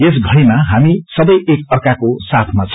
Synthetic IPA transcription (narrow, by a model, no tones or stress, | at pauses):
es̬ɡʱʌɽemaɦamisʌbʌjʔekʌrkakosat̪ʰmat͡sʰ